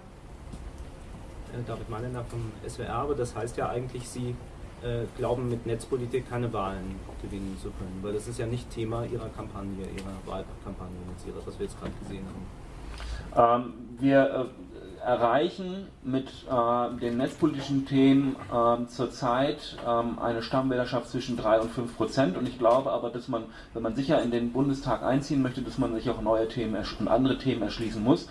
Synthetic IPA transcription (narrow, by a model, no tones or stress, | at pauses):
ʔɛdaːvɪtmaɪnɐnaːχfɔmʔɛ̰svḛːʔɛɐbədashaɪstjaːʔaɪɡŋ̩tʰlɪçz̥iː | ʔɛːɡ̥laʊbm̩mɪtnɛt͡spʰolitʰiːkʰːaɪnəvaːlən | ɡ̥əvɪnənt͡sukʰœnənvaɪldasɪstjaːnɪçttʰeːmaʔiːʁɐkʰampʰanjəʔḭːʁɐva̰ːlkʰampʰanjənɛt͡sʔḭːʁəsv̥asv̥iːɐjɛt͡stɡ̥ʁaːdəɡ̥əzeːənha̰ːbm̩ | ʔɛːmviːɐʔɛ | ɛɐʁaɪçn̩ | mɪt | ɛdeːmnɛt͡spoliːtɪʃn̩tʰeːmənʔɛmt͡suːɐt͡saɪtʔɛːmʔa̰ɪnəʃtamvɛːlɾɐʃaftt͡sv̥ɪʃn̩dʁaɪʊntfʏnfpʁ̥ot͡sɛntʊntɪçɡ̥laʊbəʔaːbɐdasman | vɛnmanzɪçɐɪndeːnbʊndəstʰaːkʔa̰ɪnt͡siːənmœçtədasmanzɪçaʊxnɔʏətʰeːmənɛ̰ɐʃʊntʔa̰ndəʁətʰeːmənɛɐʃliːsn̩mʊs